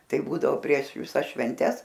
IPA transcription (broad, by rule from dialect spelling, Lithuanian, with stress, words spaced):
ˈtɐɪ ˈbuːdɐʋoː pʲrʲiɛʃ ʋʲɪˈsɐs ʃʲʋʲɛnʲˈtʲɛs